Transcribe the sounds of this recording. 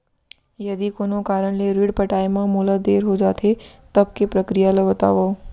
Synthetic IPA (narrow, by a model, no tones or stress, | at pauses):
jɐd̪ikoːnõkaːɾəɽ̃leɾiːɽpɐʈaːemãmuːlad̪eːɾɦod͡ʒaːt̪ʰet̪ɐb̚kepɾɐkɾijaləbət̪a̰ːʋa